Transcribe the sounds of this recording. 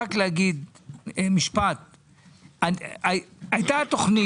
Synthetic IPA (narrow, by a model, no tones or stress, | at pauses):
akleaɡid̪ | emiʃpat̪̚ | aaajt̪at̪oχni